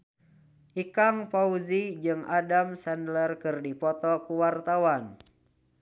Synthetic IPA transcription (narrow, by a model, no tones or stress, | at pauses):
ʔikaŋpauzid͡ʒɨŋadamsandlərkɨrdipɔt̪ɔkuwart̪awan